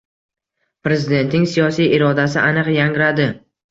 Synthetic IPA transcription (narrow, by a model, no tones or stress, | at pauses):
pɾe̞zɪd̪e̞nt̪nɪŋsijɒsijɪɾɒd̪as̬ɪʔanɨqjaŋɾad̪ɪ